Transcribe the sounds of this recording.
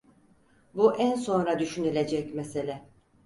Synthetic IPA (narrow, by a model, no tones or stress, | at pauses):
buʔænso̞nɾad̪yʃynilʲe̞d͡ʒɛcmeselʲɛ